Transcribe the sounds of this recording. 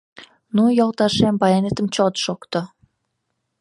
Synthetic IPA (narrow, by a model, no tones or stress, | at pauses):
nujolˠt̪ɑʃembɑjenet̪əmt͡ɕot̪ʃokt̪ɤ